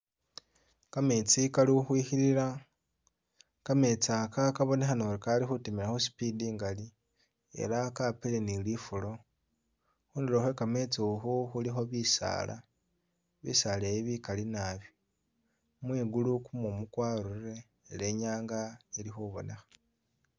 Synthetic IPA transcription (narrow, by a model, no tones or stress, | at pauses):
kame̞t͡sikaliuxwixiɾiɾa | kame̞t͡sakakaβo̞ne̞xanoɾekalixutimilaxosi̥pidiːŋɡali | e̞̰lakapilenilifulo̞ | xuːndiloxwekame̞t͡siuxuxulixo̞βisa̰ːlʔa̰ | βḭsalejiβikalinaβjo | mwiɡulukumumukwaɾuɾe̞ː | le̞ɲaːŋɡailixuβo̞̰ne̞xḁ